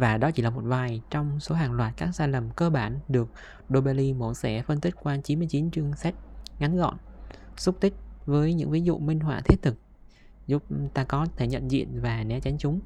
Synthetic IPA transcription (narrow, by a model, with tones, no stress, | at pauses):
vaː˨˩ɗɔ˨˦t͡ɕi˧˩laː˨˩mo˨˩t̚vaː˨˩jt͡ɕɔ˧wŋ͡mso˨˦ɦaː˨˩ŋlwaː˨˩t̚kaː˦˥k̚saː˧jlə˨˩mkəː˧ɓaː˧˩nɗɨ˨˩ək̚ | ɗo˧ɓe˧li˧mo˧˩nsɛ̰˧˥fə˧nt̪ï˦˥k̟̚kwaː˧t͡ɕi˨˦nmɨ˧əjt͡ɕi˨˦nt͡ɕɨ˧əŋsa˦˥k̚ŋa˨˦nɣɔ̰˧˨nsʊ˦˥k͡p̚t̪ï˦˥k̟̚vəː˨˦jɲɨ̰˧˥ŋvi˨˦zṵ˧˨mï˧ŋ̟ɦwa̰ː˧˨t̪ʰi˦˥ət̚t̪ʰɨ˨˩k̚ | zu˦˥p̚t̪aː˧kɔ˨˦t̪ʰe˧˩ɲə̰˧˨nzḭ˧˨ənvaː˨˩nɛ˨˦t͡ɕa˨˦jŋ̟t͡ɕʊ˨˦ŋ͡m